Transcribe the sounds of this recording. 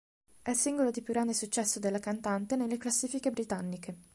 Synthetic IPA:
ɛlsiŋɡolod̪ipjuɡɾand̪esut͡ʃːɛsːod̪elːakant̪ant̪enelːeklasːiːfikebɾit̪anːike

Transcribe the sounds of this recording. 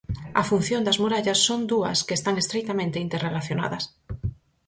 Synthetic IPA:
ɐfun̟θjond̪azmuɾaʎasːond̪uɐ̰skeːst̪aŋest̪ɾejt̪amẽnt̪eint̪erelaθjona̰ðɐs

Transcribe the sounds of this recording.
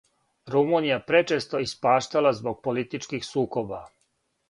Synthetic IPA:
ɾumunijapɾe̞t͡ʃest̪o̞ispaːʃt̪alazbo̞ɡ̚polit̪it͡ʃkixsuːko̞ba

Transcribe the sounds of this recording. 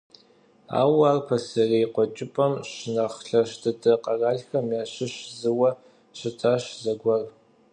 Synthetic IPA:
a̰ːwaːrpʰɐsɐrejqʷɔt͡ʃʼɪpʼɐmʃnɐχɬɐʃtʰɨtʰʼɐqʼɐraːɮxɐmjaːɕɪʃzɨwɐ | ʃɪtʰaʃzɐɡʷɐr

